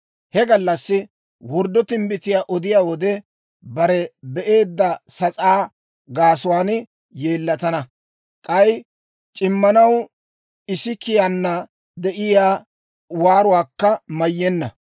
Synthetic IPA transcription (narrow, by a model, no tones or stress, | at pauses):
hɛɡɐlːɐsːɪ | wɔɾd̪ɔt̪ɪmbɪt̪ɪjaːʔɔd̪ɪjaːwɔd̪ɛ | bɐɾɛbɛʔe̞ːd̪ːɐsɐt͡sʼaː | ɡaːsʊwaːn | jeːlːɐt̪ɐnɐ | kʼɐj | t͡ʃʼɪmːɐnɐw | ɪsɪkɪjanːɐ | d̪ɛʔɪjaː | waːɾʊwaːkːɐmɐjːɛnːɐ̰